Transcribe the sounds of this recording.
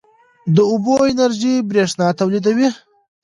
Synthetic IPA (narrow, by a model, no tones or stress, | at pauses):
d̪əʊboɪnaɾʒibɾeʂnɑt̪awlid̪awi